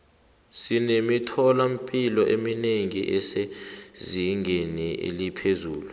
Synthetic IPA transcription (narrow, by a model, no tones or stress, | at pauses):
sinemitʰɔlam̩pʼilɔʔemineŋiʔɛseziŋʱeniḛlipʰezuːlu